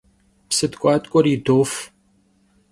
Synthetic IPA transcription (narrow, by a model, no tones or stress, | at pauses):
psɨd̪kʷʼaːt̪ʼkʷʼɔɾiːd̪oːf